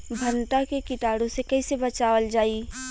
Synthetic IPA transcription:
bʱɐnʈakekɪʈaːɽõsekɛɪsebɐt͡ʃaːʋəld͡ʒaːiː

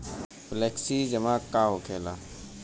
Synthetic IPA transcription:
fleːksiːd͡ʒəmaːkːaːɦoːkʰeːlaː

